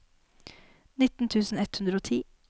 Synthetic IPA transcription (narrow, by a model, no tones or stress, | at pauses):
nɪt̪n̩t̪ʰʉːsn̩ɛt̪hʉnd̪ɾəoːt̪ʰiː